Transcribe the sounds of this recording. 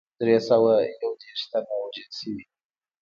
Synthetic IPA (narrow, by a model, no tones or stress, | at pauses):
d̪ɾesawajawd̪eɾʂt̪anawad͡ʒəlʃəwi